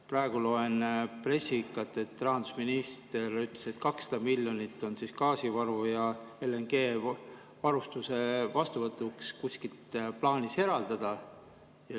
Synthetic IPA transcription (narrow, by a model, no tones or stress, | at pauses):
prɑeɡ̥ulo̞e̞npre̞sikːˑɑt̪ːˑe̞t̪ːˑrɑɦɑnd̪u̥sminist̪e̞ryt̪ˑleset̪ːkɑksːɑ̥d̪̥ɑmilʲjo̞nit̪ːˑo̞nsiskɑːsivɑɾvujɑeleŋɡ̥e̞ː | vɑɾust̪use̞vɑst̪uvɤt̪ːˑukskusʲkilt̪plɑːnise̞ɾɑld̪̥ɑd̪̥ɑ | jɑ